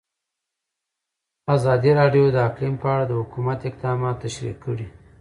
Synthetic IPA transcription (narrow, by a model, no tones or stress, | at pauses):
azɑd̪iɾɑɖjod̪əaklimpəaɽad̪əhʊkumat̪ɪq̚d̪ɑmɑt̪ːaʃɾḭqʰːəɽi